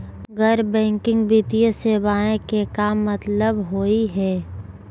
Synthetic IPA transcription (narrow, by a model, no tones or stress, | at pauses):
ɡəɾbɛ̃ːŋkɪ̃ŋɡbit̪ijəseːbaːẽkekaːmːət̪ləbɦoːiɦɛː